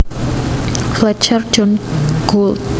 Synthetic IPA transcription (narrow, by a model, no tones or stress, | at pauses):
flɛt͡ʃʰər̥d͡ʒɔnɡ̥ol